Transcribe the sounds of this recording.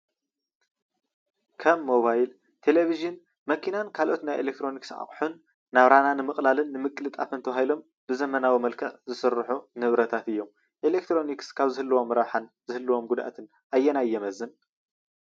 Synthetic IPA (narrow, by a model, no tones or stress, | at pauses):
kʰɐmːoβajl | t̪ʰe̞leβiʒɨn | mɐkʰinankʰalʔo̞t̪najʔelek̚t̪ʰɾo̞niksʔa̰χʼħunː | aβɾananɨmɨχʼlalɨnːɨmɨkʼlɨt̪ʼafɨnt̪ʰɐβahilo̞m | b̥ɨzɐmɐnawimɐlkʰɐʔzɨsɨrːħunɨβɾɐt̪ʰat̪ɨjːo̞m | ʔelek̚t̪ɾo̞nikskʰaβzɨhɨlːuwo̞mːɾɐβħan | zɨhɨlːɨwo̞mɡud̪ʔa̰t̪ʰɨn | ʔajːɛnajːɛmɐzːɨn